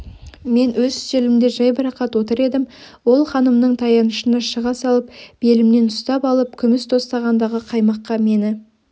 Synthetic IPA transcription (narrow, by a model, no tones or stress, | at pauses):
me̞nwɵzʏ̥zt̪elɪmd̪e̞ʒɑjbəɾɑqɑt̪wo̞t̪əɾe̞d̪ɪmwo̞lˠχɑnəmnəɴt̪ʰɑjɑnəʃənɑʃəʁɑsɑlˠəp̚b̥e̞lɪmne̞nʊst̪ɑpɑlˠəp̚kʲʰʏmɪst̪ʰo̞st̪ɑʁɑnd̪ɑʁəqʰɑjmɑqːɑme̞nɪ